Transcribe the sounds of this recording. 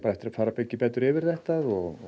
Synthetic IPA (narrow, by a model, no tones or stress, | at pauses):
paɾaɛft̪ɪɾafaːɾapecːɪpɛːt̪ʏɾɪvɪɾ̥θɛht̪aðɔɣ